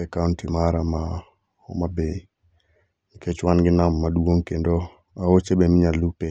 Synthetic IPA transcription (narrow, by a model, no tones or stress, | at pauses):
ɛkawntimaɾama | ɔ̰mabe | niket͡ʃwanɡɪnamːadwoŋkendo | aot͡ʃebemɪɲalupe